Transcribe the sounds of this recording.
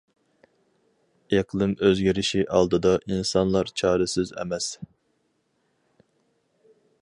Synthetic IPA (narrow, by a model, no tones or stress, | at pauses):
eqlˠɨmøzɡʲiɾɪʃiʔɑlˠd̪ɨd̪ɑʔinsɑnlˠɑɾt͡ʃʰɑːɾɪsɪzɛ̰mɛs